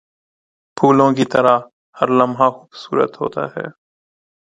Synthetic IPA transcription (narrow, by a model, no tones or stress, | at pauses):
pʰuːlõːkit̪əɾaː | həɾləmɦaːxuːbsṵːɾə̰t̪ɦo̰ːt̪a̰ːɦɛ̰ː